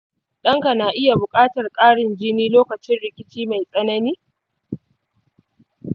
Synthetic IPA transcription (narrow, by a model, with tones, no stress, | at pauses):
ɗɐ˦ŋka˨naː˨ʔɪ˦ja˨bʊ˨kʼaː˦tɐ˨rkʼaː˦ɽɪ˨nd͡ʒɪ˦niː˦loː˦kɐ˨t͡ʃɪ˦nɽɪ˨kʲɪ˦t͡ʃiː˦ma˨jsʼɐ˦nɐ˦niː˦